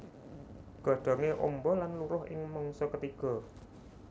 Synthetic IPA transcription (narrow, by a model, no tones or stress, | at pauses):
ɡ̥ɔ̤̈ɖ̪̥ɔ̤ŋeʔɔ̰mbɔlanluɾʊhɪ̰ŋmɔŋsɔkət̪iɡ̥ɔ̤